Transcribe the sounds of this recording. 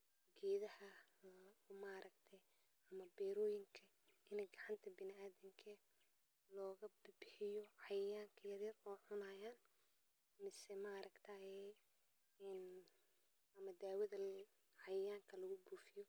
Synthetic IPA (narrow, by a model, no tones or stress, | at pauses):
ɡɛːðɐhɐ | mɐɾɐɡt̪ʰɛj | ɐmɐbɛːɾɔːjɪŋkʰɐ | ɪnɛɡɑʕɑnt̪ʰɐbɪnɪaːðɪŋkʰɐ | lɔːɣɐbbɪħɪjɔʕɑjjaːŋkʰɐjɐrjɐrɔːʕʊnaːjaːn | mɪsɛmaɾɐɡt̪ʰɐjɛ | n | ɐmɐd̪aːwɐðɐ | ʕɑjaːŋkʰɐlɐɣʊbuːfɪjɔ